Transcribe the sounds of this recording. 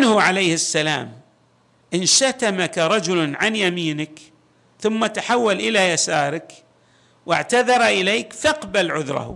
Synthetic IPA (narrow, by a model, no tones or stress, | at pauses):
nhuʕalejhɪsːala̰ːm | ʔɪnʃat̪amakaɾˤɑd͡ʒʊlʕanjamiːnɪk | θʊmːat̪aħawːalʔɪlajasaːɾˤɪk | wɪ̰ʕt̪aðɑɾˤʔɪleːkfaqbalʕʊðɾˤɑ̰h